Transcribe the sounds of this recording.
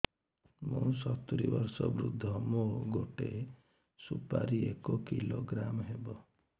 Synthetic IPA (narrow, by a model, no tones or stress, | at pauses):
mõsɔt̪uɾibɔɾsɔbɾud̪ʱːɔmoɡoʈe | supaɾiekɔkiloɡɾamɦebɔ